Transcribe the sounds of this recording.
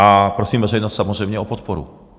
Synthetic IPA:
apɾɔsiːmvɛrɛjnɔst̪samɔzʒɛmɲɛɔpɔt̪pɔɾṵ

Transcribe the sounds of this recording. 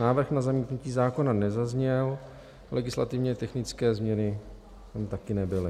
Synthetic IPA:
naːvr̩xnazamiːt̪nuciːzaːko̞nanɛzazɲɛl | lʔɛɡɪsla̰t̪ɪvɲɛt̪ɛxnɪt͡skɛːzmɲɛnɪ | t̪amt̪akɪnɛbɪlɪ

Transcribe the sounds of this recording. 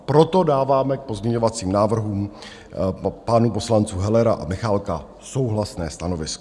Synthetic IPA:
pɾo̞t̪o̞daːvaːmɛk̚po̞zmɲɛɲo̞vat͡siːmnaːvr̩ɦuːm | panupo̞slant͡suːɦɛlɛɾaʔa̰mɪxalka | so̞wɦlasnɛːst̪ano̞vɪskɔ̥

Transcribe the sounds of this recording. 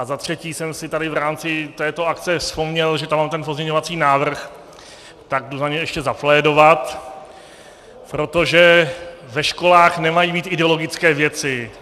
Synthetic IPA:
ʔazat̪r̝̥ɛciːsɛmsɪt̪adɪvɾaːmt͡sɪt̪ɛːt̪o̞akt͡sɛspo̞mɲɛlʒɛt̪amːaːmt̪ɛnp̬ozmɲɛɲo̞vat͡siːnaːvr̩x | t̪aɡ̚duzaɲɛɛʃcɛzaflɛːdo̞vat̪ | pɾo̞t̪o̞ʒɛvɛʃko̞laːxnɛmajiːbiːt̪ʔɪdɛo̞loɡɪt͡skɛːvjɛt͡sɪ

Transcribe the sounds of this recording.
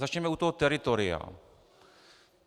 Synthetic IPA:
at͡ʃɲɛmɛut̪ɔɦɔt̪ɛɾɪt̪oɾɪa̰

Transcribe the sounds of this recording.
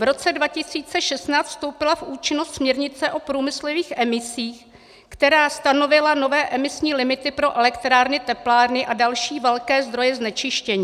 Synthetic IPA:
vɾo̞t͡sɛdvacɪsiːt͡sɛʃɛst̪naːt͡st̪fst̪o̞wpɪlafʔuːt͡ʃɪnost̪smɲɛɾɲɪt͡sɛʔo̞pɾuːmɪsloviːxʔɛmɪsiːx | kt̪ɛɾaːst̪ano̞vɪlano̞vɛːʔɛmɪsɲiːlɪmɪt̪ɪpɾo̞ʔɛlɛkt̪ɾaːɾnɪt̪ɛplaːɾnɪʔadalʃiːvɛlkɛːzd̪ɾo̞jɛznɛt͡ʃɪʃcɛɲiː

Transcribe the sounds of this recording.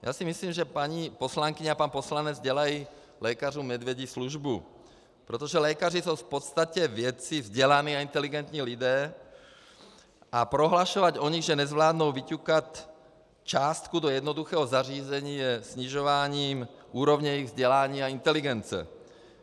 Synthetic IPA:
ja̰ːsimisliːmʒɛpaɲipɔslaŋkiɲaapaːnpɔslaɲɛd͡zzɟɛlaji | lɛkaruːmɛd̪ʋjɛɟisluʒbu | pɾɛt̪ɔʒɛlɛːkarisɔwfpɔt̪st̪acɛvɪɛt͡sivzɟɛlaniːaint̪ɛliɡɛnt̪ɲiːlid̪ɛː | ʔapɾoɦlaʃɔʋaɟɔɲiɣʒɛnɛzʋlaːd̪nowʋicukat̪ | t͡ʃaːst̪kud̪ɔjɛd̪nɔd̪uxɛːɦɔzariːzɛɲiːjɛsɲiʒɔʋaːɲiːmʔuːɾɔvɲɛiɣvzɟɛlaːɲiːaint̪ɛliɡɛnt͡sɛ̰

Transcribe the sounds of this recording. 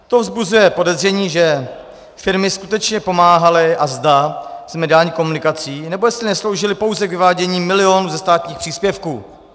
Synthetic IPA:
t̪o̞vzbuzujɛpo̞dɛzr̝ɛɲiːʒɛ | fɪɾmɪskut̪ɛt͡ʃɲɛpo̞maːɦalɪʔazd̪az̥mɛdɪaːlɲiːko̞munɪkat͡siːnɛbojɛstlɪnɛslo̞wʒɪlɪpo̞wzɛkvɪvaːɟɛɲiːmɪlɪonuːzɛst̪aːt̪ɲiːxpr̥iːspjɛfkuː

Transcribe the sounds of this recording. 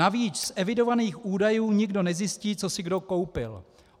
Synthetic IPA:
aviːt͡ʃsʔɛvɪdo̞vaniːxʔuːdajuːɲɪɡdo̞nɛzjɪsciːt͡so̞sɪɡdo̞ko̞wpɪl

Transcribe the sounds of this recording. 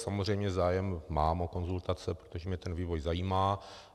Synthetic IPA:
samozrɛjmɲɛzaːjɛmːaːmoko̞nzult̪at͡sɛpɾot̪oʒɛmɲɛt̪ɛnviːvo̞jzajiːmaː

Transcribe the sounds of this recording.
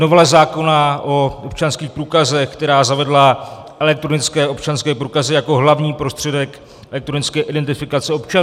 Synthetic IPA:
novɛlɛzaːko̞naʔoʔop̚t͡ʃanskiːxpɾuːkazɛxkt̪ɛɾaːzavɛdla | ʔɛlɛk̚t̪ɾonɪt͡skɛːʔo̞pt͡ʃanskɛːpɾuːkazɪjako̞ɦlavɲiːpɾo̞st̪r̥ɛdɛk | ʔɛlɛk̚t̪ɾonɪt͡skɛːʔɪdɛnt̪ɪfɪkat͡sɛo̞pt͡ʃan

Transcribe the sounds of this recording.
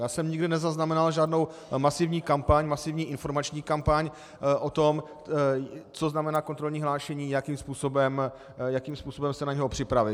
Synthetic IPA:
jaːsɛmɲɪɡdɪnɛzaznamɛnalʒaːdno̞w | masɪvɲiːkampaɲmasɪvɲiːʔɪnfo̞ɾmat͡ʃɲiːkampaɲ | ʔot̪om | t͡soznamɛnaːko̞nt̪ɾo̞lɲiːɦlaːʃɛɲiːjakimspuːsobɛm | jakiːmspuːsobɛmsɛnaɲɛɦo̞pr̥ɪpɾavɪ

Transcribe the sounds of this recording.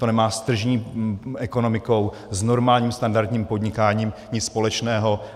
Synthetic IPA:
t̪onɛmaːst̪r̩ʒɲiːɛko̞no̞mɪko̞w | zno̞ɾmaːlɲiːmst̪andaɾt̪ɲiːmpo̞dɲɪkaːɲiːmɲɪt͡sspo̞lɛt͡ʃnɛːɦo̞

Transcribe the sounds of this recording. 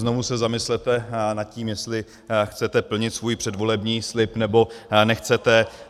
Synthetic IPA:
znovusɛzamɪslɛt̪ɛnat̪̚ciːmjɛst̪lɪ | xt͡sɛt̪ɛpl̩ɲɪt̪svuːjpr̝̥ɛdvo̞lɛbɲiːslɪpnɛbo̞nɛxt͡sɛt̪ɛ

